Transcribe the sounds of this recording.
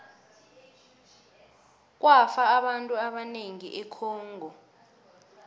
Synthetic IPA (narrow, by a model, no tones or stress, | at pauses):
k̬ʼwafaːɓantʼuaɓaneŋiʔɛkʰɔːŋʱɔ